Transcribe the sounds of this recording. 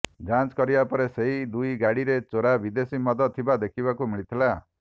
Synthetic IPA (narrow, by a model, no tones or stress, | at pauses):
d͡ʒãnt͡ʃkɔɾibapɔɾeseɦid̪ujɡaɽiɾet͡ʃoɾabid̪esimɔd̪ɔt̪ʰːibad̪ekʰibakumiɭit̪ʰila